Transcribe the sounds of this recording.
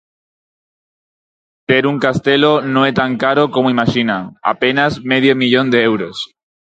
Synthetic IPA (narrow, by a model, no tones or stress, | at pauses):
t̪eɾuŋkast̪elonõŋet̪aŋkaɾokomoimaʃinaŋa̰penazmeðjomiʎõnd̪eewɾos